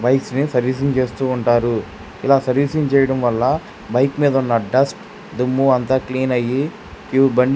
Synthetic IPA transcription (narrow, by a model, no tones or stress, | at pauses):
bɐjsnisɐɾʋiːs̬iɲt͡ʃeːst̪uːɳʈaːɾu | ilaːsɐɾʋiːsiɲt͡ʃɛːjɐɽɐmʋɐlːɐ | bɐjkmiːd̪ɐunːɐɖɐsʈ | d̪ɐmːuɐnt̪aːkliːnɐji | kubɐɳɖ